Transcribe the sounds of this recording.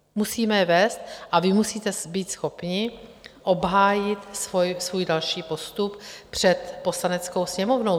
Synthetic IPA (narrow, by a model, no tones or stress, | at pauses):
musiːmɛjɛvɛːst̪̚ʔavɪmusiːt̪ɛbiːt̪sxopɲɪ | ʔo̞bɦaːjɪt̪svojsvuːjdalʃiːpo̞st̪uppr̝̥ɛt̪po̞slanɛt͡skowsɲɛmovnow